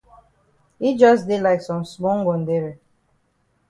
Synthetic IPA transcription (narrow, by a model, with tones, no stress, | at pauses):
hi˦d͡ʒʌ˦s̬de˦laɪksɔ̃˨msmɔ̃˦ŋɡɔ̃˨nde˦ɹi˨